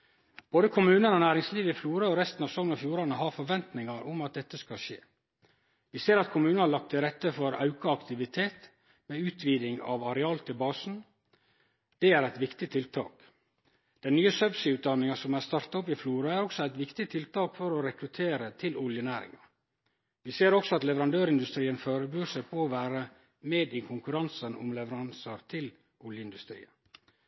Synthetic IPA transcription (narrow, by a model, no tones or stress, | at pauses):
b̥oːd̪əkʰʊmʉːnənɔnæːɾɪŋsliːʋɪfluːɾəɔɾɛst̪n̩ɑːʋsɔŋənɑfjuːɾɑnəhɑɾfɔɾʋɛnt̪nɪŋɑɾʊmɑt̪̚d̪ɛt̪ːəskɑʃḛː | ʋɪseːɾɑt̪̚kʰʊmʉːnhɑlɑk̚t̪ʰɪlɾɛt̪ːəfɔɾɑ̰ʉkɑɑkt̪ɪʋɪt̪ʰeːt̪ | meʉːt̪ʰʋiːd̪ɪŋɑ̰ʋɑɾɛɑlt̪ʰɪlbɑːsn̩ | d̪̥ɛæɾæɪt̪ʋɪkt̪ɪt̪ʰɪlt̪ʰɑ̰ːk | d̪̥ɛnnyːəsœbsɪʉːt̪̚d̪ɑnːɪŋɑsɔmæst̪ɑɾt̪ɑɔp̬ɪfluːɾɑæɾɔksɔæɪt̪ʋɪkt̪ɪt̪ʰɪlt̪ʰɑːkfɔɾɔɾɛkɾʉt̪ʰeːɾət̪ʰɪlʔʊljənæːɾɪ̰ŋɑ | ʋɪseːɾɔksɔɑt̪lɛʋəɾɑnd̪øːɾɪnd̪ʉst̪ɾiːənføːɾəbyːʂæɪpʰoːʋæːɾə | meːd̪ɪkʰʊŋkʉɾɑnsənʔʊ̰mlɛʋəɾɑnsɑɾt̪ʰɪl | ʔʊljəɪnd̪ʉst̪ɾḭːə